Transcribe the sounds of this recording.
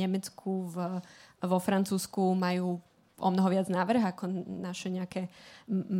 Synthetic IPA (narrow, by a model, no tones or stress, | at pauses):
ɛmɛt͡skʰuvʋɔfɾant͡suːskumajuː | ʔɔ̰mnɔɦɔʋɪad͡znaːʋr̩ɦakɔnaʃɛɲɛakɛ